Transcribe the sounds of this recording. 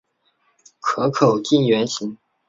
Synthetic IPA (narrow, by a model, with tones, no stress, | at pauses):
kʰɤ˧˥kʰo˨˩ʊt͡ɕi˥˩ŋɥɛ˧˥nɕi˧˥˦ŋ